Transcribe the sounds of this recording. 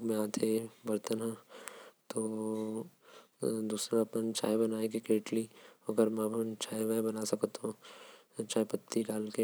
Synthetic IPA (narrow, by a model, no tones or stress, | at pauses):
ɡmẽaːt̪ʰebɐɾt̪ənɦɛ̃ | t̪oː | d̪uːsɾãɐpənt͡ʃʰa̰ːjbɐnaːekekeːʈliɐɡəɾmɛ̃ɐpnt͡ʃʰaːjʋɛbɐnasɐkt̪ũ | t͡ʃaːipɐt̪ːiɖaːlke